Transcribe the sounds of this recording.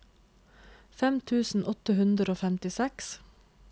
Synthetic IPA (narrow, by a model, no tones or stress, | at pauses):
fɛmt̪ʰʉːsn̩ʔɔt̪əhʉnd̪ɾəoːfɛmt̪ɪsɛks